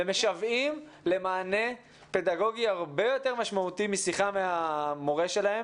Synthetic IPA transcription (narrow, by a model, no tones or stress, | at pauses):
eme̞ʃavim | le̞maːne̞ | pe̞d̪aɡo̞ɡiaʁbe̞jo̞t̪eʁmaʃmaut̪imisiχameamo̞ʁe̞ʃe̞lahe̞m